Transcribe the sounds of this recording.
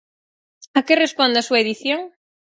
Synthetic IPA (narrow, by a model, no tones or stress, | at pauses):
ɐkerespond̪ɐasuɐeðiθjoŋ